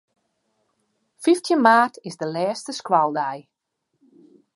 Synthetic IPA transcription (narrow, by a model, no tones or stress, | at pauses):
fiftʰjənmaːtɪzdəlɛːstəskwalˠdɛj